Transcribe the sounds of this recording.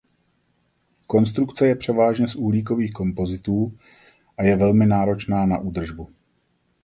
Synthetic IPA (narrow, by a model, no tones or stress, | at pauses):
ko̞nst̪ɾukt͡sɛjɛpr̝̥ɛvaːʒɲɛsʔuːɦliːk̬o̞viːxko̞mpo̞zɪt̪uː | ʔajɛvɛlmɪnaːɾo̞t͡ʃnaːna̰ʔuːd̪r̩ʒbu